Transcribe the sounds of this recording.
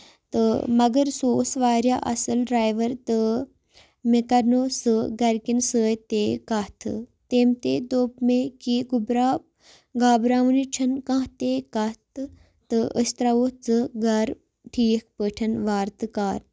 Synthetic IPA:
t̪ɨmɐɡɐɾsoːsʋaːɾja̰ːʔɐ̰sɨlɖɾaːjʋɐɾt̪ɨ | mekɐɾnoːsɨɡɐɾkinsəːjt̪eːkat̪ʰɨt̪eːmt̪eːd̪oːpmekiɡubɾaː | ɡaːbɾaːʋnit͡ʃʰɐnkãːɦt̪eːkat̪ | t̪ɨə̰st̪ɾaot͡sɨɡɐɾ | ʈʰiːk̚ʰpəʈʰɐnʋaːɾt̪ɨkaːɾ

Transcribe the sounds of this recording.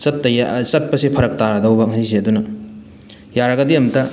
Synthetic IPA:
sɐtːɐjasɐt̚pɐsipʰɐɾɐk̚taɾɐdɐwbɐŋɦɐis̬iɐdunɐ | jaɾɐɡɐdiɐmtɐ

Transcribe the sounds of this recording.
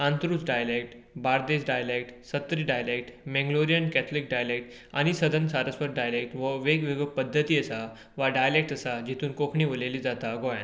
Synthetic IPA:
ãnt̪ɾuːt͡sɖajəlek̚ʈ | baɾd̪esɖajəlek̚ʈsət̪ːɾiːɖajəlek̚ʈmẽŋɡloɾijənkɛt̪ʰlik̚ɖajəlek̚ʈ | a̰ñisəd̪ʱənsaɾəspəɾ̚ɖajəlek̚ʈʋəʋeɡʋeɡəpəd̪ʱːət̪iːəsa | ʋaɖajəlek̚ʈəsad͡ʑit̪uːnkokʰɳiːʋoleliːd͡zat̪aɡɔjã̰n

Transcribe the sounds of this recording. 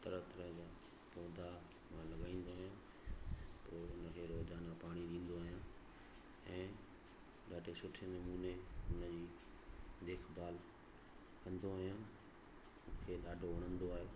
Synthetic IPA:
t̪ɐɾət̪ɐɾəɦd͡ʑaː | poːd̪ʱa | mãlɐɠaːĩːn̆d̪oɦijãː | poːʊnəkʰeɾoːd͡ʑaːnapaːɽ̃iɗĩːn̆d̪oəːɦijãː | ɛ̃ː | ɗaːɖʱesʊʈʰenɐmuːneʊnəd͡ʑiː | d̪eːkʰbʱaːl | kɐ̃nd̪oəɦijãː | mũːkʰeɗaːɖʱoʋɐɽ̃ə̃nd̪oaːɦeː

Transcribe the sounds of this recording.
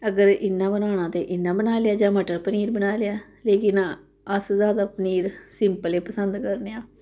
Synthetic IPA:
əɡəɾɪnːãːbənaːñãːt̪eːʔɪnːãːbənaːleaːd͡ʒãːməʈəɾpəniːɾbənaːleaː | leːkɪn | əszaːd̪aːpəniːɾsɪmpəleːpəsənd̪kəɾneːãː

